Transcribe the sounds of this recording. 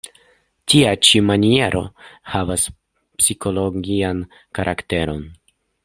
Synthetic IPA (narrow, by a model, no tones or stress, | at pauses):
tiat͡ʃimanie̞ɾʔo̞̰havas | psikʰo̞lo̞ɡian | kaɾʔakte̞ɾo̞n